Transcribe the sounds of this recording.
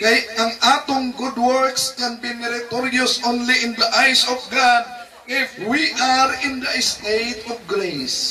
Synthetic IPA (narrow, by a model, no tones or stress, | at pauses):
kajãŋʔat̪ʊŋɡʊd̚wɔɹkskɛ̃nbimɛɾat̪ɔɾiɔsõnliɪ̃nd̪əʔajsɔfɡad̪̚ | ʔɪfwiʔaɾɪ̃nd̪əɛst̪et̪ɔfɡɾes